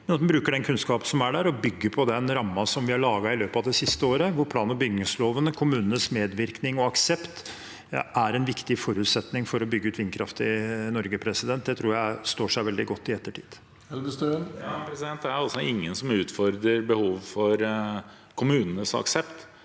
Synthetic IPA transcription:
mɛnɑt̪mɛnbɾʉːkəɖɛnkʰʉnskɑːpənsɔmæɖæɾɔbʏɡːəpʰɔd̪ɛnɾɑmːɑsɔmʋɪhɑɭɑːɡɑɪløːpɑʋd̪ɛsɪst̪əoːɾəʋʊɾpʰlɑːnəbʏɡnəsloːʋənəkʰʊmʉːnənəsmeːd̪ʋɪɾknɪŋɔɑksɛpt̪ | æɾɛnʋɪkt̪ɪfɔɾʉːt̪sɛt̪nɪŋfɔɾɔbʏɡːəʉːt̪ʋɪnkʰɾɑft̪ɪnɔɾɡəpʰɾɛsɪd̪ɛnt̪̚d̪ɛt̪ʰɾuːɾjæɪst̪oːʂæɪʋɛld̪ɪɡɔt̪ːɪɛt̪ːəʈʰḭːd̪̥ | ɛləst̪øpɾɛsɪd̪ɛnt̪d̪ææɾɑlsɔɪŋːənsɔmʉːt̪fɔɾd̪ɾəɾbəhuːʋfɔɾ | kʰʊmʉːnənəsɑ̰ksɛpt̪

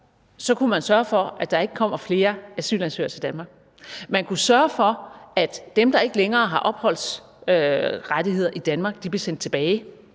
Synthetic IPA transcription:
sɒ̽kʰumænsɶɐfɒ̽ʔæd̥ɑ̈e̝ɡ̥əkʰɒ̽m̰ɐfle̝ːɐæsy̰ːlænsø̰ɐt͡sʰed̥ænmɑ̈ːɡ̥ | mænkʰusɶɐfɒ̽æd̥ːemd̥ɑ̈e̝ɡ̥əleŋɐːɦɑ̈ʔɒ̽b̥hɒ̽l̰s | øʁadihe̝ð̞̰ˠɐʔid̥ænmɑ̈ːɡ̥̚d̥ib̥lesen̰d̥t͡sʰe̝b̥ɛːɪ

